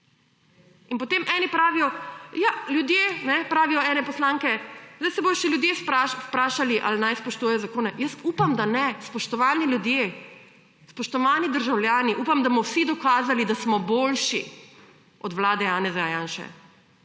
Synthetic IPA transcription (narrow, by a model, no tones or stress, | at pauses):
inpɔt̪emʔɛːnipɾaːʋijɔjaljud̪jenɛpɾaːʋijɔɛːnɛpɔslaːŋkɛzd̪ajsɛboːjɔʃɛljud̪jespɾaʃspɾaːʃaliʔalnajspɔʃt̪uːjɛjɔzakoːnɛjəsuːpamd̪anɛspɔʃt̪ɔʋaːnilʲjud̪je | spɔʃt̪ɔʋaːnid̪əɾʒawljaːniʔupamd̪amɔwsid̪ɔkaːzalid̪asmɔboːlʃḭ | ʔɔd̪wlaːd̪ɛjaːnɛzaajaːnʃɛ̰